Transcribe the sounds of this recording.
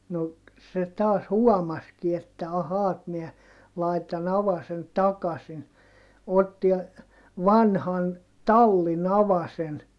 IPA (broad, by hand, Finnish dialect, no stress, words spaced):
no se tɑːs huɔmɑski etːæ ɑhɑː et miɛ lɑitɑn ɑʋɑsen tɑkɑsin otːi ʋɑnhɑn tɑlːin ɑʋɑsen